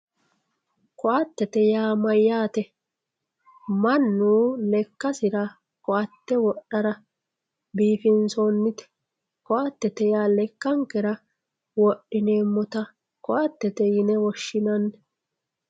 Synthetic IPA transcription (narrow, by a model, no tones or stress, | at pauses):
kɔʔat̪ːɛt̪ɛjaːmɐjːaːt̪ɛ | mɐnːuːlɛkːɐsɪɾɐ | kɔʔɐt̪ːɛwɔɗːɐɾɐ | biːfɪnsonːɪt̪ɛ̥ | kɔʔat̪ːɛt̪ɛjaːlɛkːɐŋkɛɾɐ | wɔɗːɪneːmːɔt̪ɐ | kɔʔɐt̪ːɛt̪ɛjɪnɛwɔʃːɪnɐnː